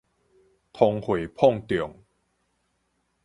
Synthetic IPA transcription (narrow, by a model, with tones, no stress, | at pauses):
t̪ʰɔ˧ŋhwe˨˩pʰɔ˥˧ŋt̪i˨˩˨ŋ